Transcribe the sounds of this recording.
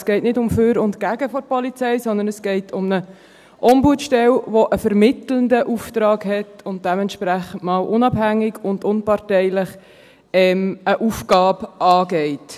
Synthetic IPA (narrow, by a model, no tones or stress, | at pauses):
sɡ̥ɛɪtnɪdʊmføːɾʊntkæɡəfɔɾpɔlit͡sɛɪsɔndənəsɡ̥ɛɪtʰʊmnə | ʔɔmbuətʃtɛlʋoʔəfəɾmɪtləndəʔuft̪ɾɑːɡhɛtʊnt̚d̥ɛmɛntʃpɾæχən̩tmɑːlʔʊnɑbhæŋːɪɡʊndʊnpɑɾtɛɪləχ | ɛməʔufɡ̥ɑːbɑːɡɛɪt